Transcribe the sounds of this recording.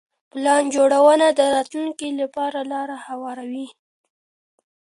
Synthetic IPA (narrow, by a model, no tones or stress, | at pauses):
plɑnd͡ʒoɽawənad̪əɾɑt̪luŋkilapɑɾalɑɾahawɑɾawi